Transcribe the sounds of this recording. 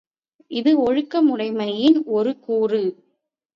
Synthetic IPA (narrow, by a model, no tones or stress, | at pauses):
ʔɪðɯɔɻɯkːɐmʊɽɐɪmɐjɪnɔɾɯkuːrɯ